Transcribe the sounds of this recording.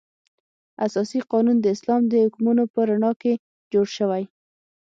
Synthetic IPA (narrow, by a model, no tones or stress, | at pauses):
asɑsiqɑnund̪əɪslɑmd̪əhʊkmunopəɾaɳɑke | d͡ʒoɽʃəwaj